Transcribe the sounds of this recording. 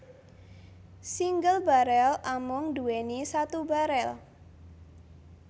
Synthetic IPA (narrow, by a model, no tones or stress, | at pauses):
siŋɡəlbaɾɛlamʊŋduwenisat̪ubaɾɛl